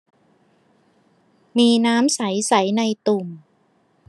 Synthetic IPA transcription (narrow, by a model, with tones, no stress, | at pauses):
miː˧naː˦˥msa˩˦jsa˩˦jna˧jt̪u˨˩m